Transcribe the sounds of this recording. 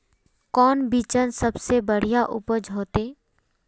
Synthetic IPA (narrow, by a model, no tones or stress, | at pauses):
kɔːnbit͡ʃənsəbsebəɽ̤ijaʔʊ̰pəd͡ʒɦoːt̪eː